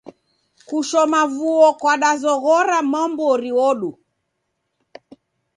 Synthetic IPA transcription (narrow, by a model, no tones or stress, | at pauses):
kuʃɔmavuɔkwaɗazɔɣɔɾamambɔɔɾiɔɗu